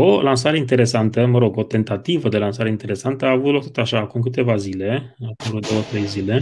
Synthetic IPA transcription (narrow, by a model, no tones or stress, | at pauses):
olansaɾeint̪e̞ɾe̞sant̪əməɾo̞ɡo̞t̪e̞nt̪at̪ivəd̪e̞lansaɾeint̪e̞ɾe̞sant̪əaːvut̪lokt̪ot̪aʃaːkumk̬ɨt̪e̞vazile̞akolod̪o̞wət̪ɾe̞jzile̞